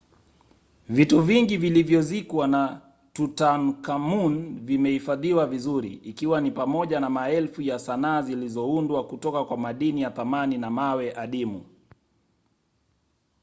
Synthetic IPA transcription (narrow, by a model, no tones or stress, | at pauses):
vituviŋɡivilivjɔzikwana | tutankamunvimɛhifaðiwavizuɾḭːkiwanipamɔʄanamaɛlfujasanaːzilizɔundwakutɔkakwamaɗinijaθamaninamawɛʔaɗimṵ